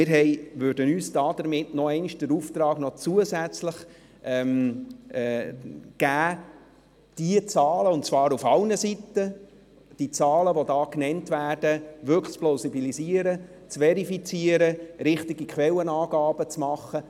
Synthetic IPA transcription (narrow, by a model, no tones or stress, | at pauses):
mɪɾɦɛɪʋʉːɾdənyːsd̥ɑːd̥əɾmɪtnɔɛɪniʃd̥əɾuft̪ɾɑːɡ̥nɔt͡suəzæt͡sləχ | ɛmː | ɡ̥æː | d̥iət͡sɑːləʊnt̚t͡svɑːɾufɑlnəsitːə | d̥it͡sɑːləʋodɑːknɛntvæːrdəvʏkχt͡splaʊsibiliziəɾə | t͡svɛɾifit͡siəɾəɾɪχtiɡikχʋɛlənɑːɡ̥ɑːb̥ət͡smɑχːə